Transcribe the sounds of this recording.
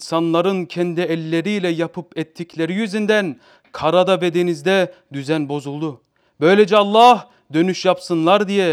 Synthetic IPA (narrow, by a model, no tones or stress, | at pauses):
nsanlˠaɾɯncʰɛnd̪iɛlʲːeɾiːlʲɛjapʰɯpɛt̪ʰːiclʲeɾijyzynd̪æn | kʰaɾad̪avɛd̪enizd̪ɛd̪yzænbo̞zulˠd̪u | bø̞jlʲed͡ʒɛɑlˠːɑh | d̪ø̞nyʃjapsɯnlˠaɾd̪ijɛ